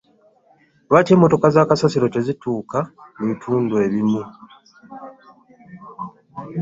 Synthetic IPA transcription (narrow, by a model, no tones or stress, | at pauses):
βace̞ːmːo̞to̞kazaːkasasiɾo̞te̞zituːkamuβitʰuːndwe̞βimu